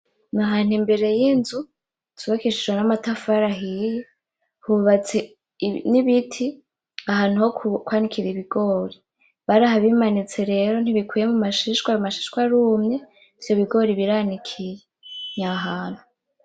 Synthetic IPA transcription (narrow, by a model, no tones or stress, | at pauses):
naɦaːnimbe̞ɾe̞jinzu | tuβakiʃiʒwenamatafaɾaɦije | huβat͡se | niβitʰi | aɦaːn̥uhokwaːnikʰiɾeiβiɡo̞ːɾi | βaɾahaβimanit͡se̞ɾe̞ɾo̞n̥iβikwiːje̞mumaʃiʃkwaumaʃi̥ʃkwaɾuːmɲe̞ | iv̥jo̞βiɡo̞ɾiβiɾanikʰiɾeɲaɦaːn̥huu